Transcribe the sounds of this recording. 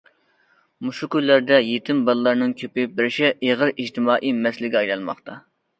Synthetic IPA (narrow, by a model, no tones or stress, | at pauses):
muʃukʲylːæɾd̪ɛjet̪ʰɪmbɑlˠːɑɾnɨŋkʲʰøpɪbɪɾɪʃɛʔeʁəɾid͡ʒt̪ɪmɑːʔimɛslɪɡʲɛɑjlˠɑlˠmɑ̰χt̪ʰɑ